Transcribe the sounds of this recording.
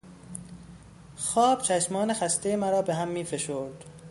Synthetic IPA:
xɒːb̥t͡ʃʰæʃmɒːnexæst̪ʰejemæɾɒːbeɦæmːiːfe̞ʃoːɾd̪̥

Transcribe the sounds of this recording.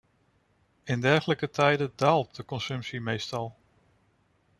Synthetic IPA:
ɪndɛɹχələkətʰɛjdədaːlˠt̚dəkɔnsɵmpsimejstɑlˠ

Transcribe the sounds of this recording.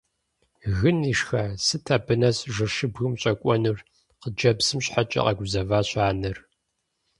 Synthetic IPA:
ɣɨniːʂxɐsɨtʰabɨnɐsʼʐɨʃɨbɣɨmɕʼɐkʷʼɔnɨr | qəd͡ʒɐbsɨmɕħat͡ʃʼɐ̰qɐɡʷʊzɐvaːɕʼaːnɨr

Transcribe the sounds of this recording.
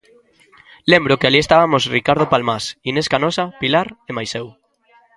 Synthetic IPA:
lembɾʊkealiest̪aβamosrikaɾð̞opalmasineskanɔsapilaɾemajsɛw

